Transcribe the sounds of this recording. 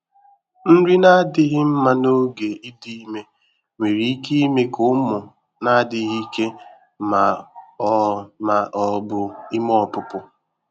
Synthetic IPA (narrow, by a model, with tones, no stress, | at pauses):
n̩˦ɾi˦na˦dɪ˦ɣɪ˦m̩˦ma˦no˦ɡe˨i˦di˦i˦me˦ | me˨ɾi˨i˦ki˦i˦me˦kʊ˦mʊ˨ | na˦dɪ˦ɣi˦ke˦ | ma˨˦ | ma˨ʔɔ˨bʊ˨i˦mɔ˦˨pʊ˦pʊ˦